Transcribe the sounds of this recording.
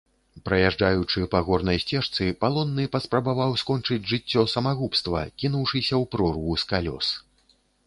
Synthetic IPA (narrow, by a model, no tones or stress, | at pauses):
pɾɐjaʐd͡ʐajut͡ʂɨpɐɣɔrnɐjsʲt͡sʲɛʂt̪sɨpalˠɔnːɨpɐspɾɐbavawskɔnt͡ʂɨd͡zʲʐɨt͡sʲːɔsɐmaɣupst̪vɐ̰kʲinuwʂɨsʲɐwpɾɔrvuskalʲɔ̰s